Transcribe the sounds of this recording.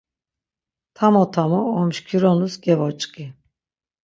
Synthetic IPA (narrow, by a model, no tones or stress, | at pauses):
t̪ʰamɔt̪ʰamɔɔmʃkʰiɾɔnusɡɛvɔt͡ʃʼkʼi